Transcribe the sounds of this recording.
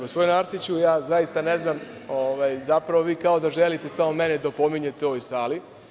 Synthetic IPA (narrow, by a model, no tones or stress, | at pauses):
osʋojunaɾsit͡ɕujaːzajist̪ane̞znam | oʋajzapɾaʋo̞ʋiːkao̞d̪aʒelit̪e̞samo̞me̞ned̪apo̞miɲe̞t̪eojsaːli